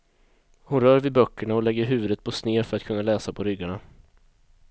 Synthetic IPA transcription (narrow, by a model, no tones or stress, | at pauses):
hʊnɾœːɾvɪbœkːəɳaɔlɛɡːəɾɦʉ̟ːvɵd̪ət̪̚pʰɔsneːfœɾat̪kʰɵnːalɛːsapʰɔɾʏɡːaɳa